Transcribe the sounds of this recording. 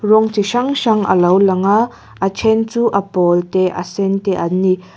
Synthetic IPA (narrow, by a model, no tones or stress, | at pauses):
rɔŋt͡siʃɐŋʃaŋʔɐ̰lɐwlɐŋa | ʔɐt͡sʰɛnt͡suːʔɐpɔlt̪ɛʔɐ̰sɛntɛʔɐni